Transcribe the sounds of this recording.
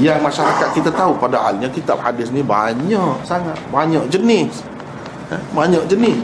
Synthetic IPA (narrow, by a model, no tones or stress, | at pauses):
jaŋmaʃaɾakat̪̚kit̪at̪aupadaɦa̰lɲakit̪a̰p̚hadɪsnibaɲɔʔsaŋat̪̚baɲɔʔd͡ʒənɪs | baɲɔʔd͡ʒənɪs